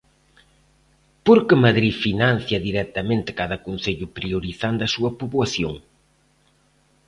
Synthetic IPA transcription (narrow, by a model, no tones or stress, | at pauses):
poɾkɪmɐðɾifinan̟θjɐðiɾɛt̪ɐmẽnt̪ɪ̥kaðɐkonθeʎʊpɾioɾiθand̪ɐsuɐpuβwɐθjoŋ